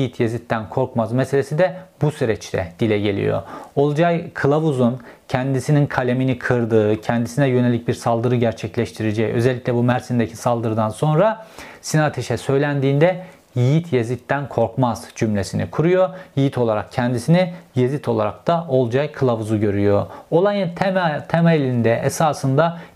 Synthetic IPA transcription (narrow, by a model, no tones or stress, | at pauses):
jijit̪ʰjezit̪ːænkʰo̞ɾkmazmese̞lʲe̞sid̪ɛbusyɾɛt͡ʃt̪ʰɛ̰d̪̥ilʲɛɟe̞lʲḭjo̰olˠd͡ʒajkʰɯlˠavuzun | cʰɛnd̪isininkʰalʲeminikʰɯɾd̪ɯːcʰɛnd̪isinɛjø̞nelʲic̚biɾsalˠd̪ɯɾɯɟæɾt͡ʃʰɛclʲɛʃt̪ʰiɾed͡ʒɛjø̞̰zɛlʲːicʲlʲɛbumæɾsind̪ecʰisalˠd̪ɯɾɯd̪anso̞nɾa | sinat̪ʰeʃɛsø̞jlʲænd̪iːnd̪ɛ | jijit̪ʰjezlʲic̚t̪ːænkʰo̞ɾkmaz̥d͡ʒymlʲesinḭkʰuɾujojijit̪ʰo̞lˠaɾa̰k̚cʰɛnd̪isinijezit̪ʰo̞lˠaɾak̚d̪̥aʔo̞lˠd͡ʒajkʰɯlˠavuzuɟø̞ɾyjo̞olˠajɯnt̪ʰt̪ʰemaelʲind̪ɛesaːsɯnd̪a